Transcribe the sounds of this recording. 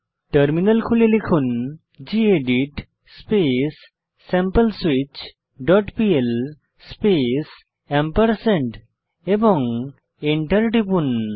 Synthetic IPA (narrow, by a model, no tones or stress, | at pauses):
ʈəɾminɐlkʰulelekʰun | d͡ʑieɖiʈ | spesː | empəlswit͡ʃ | ɖɔʈpiel | spes | empəɾseɳʈ | ebɔŋ | eɳʈəɾʈipun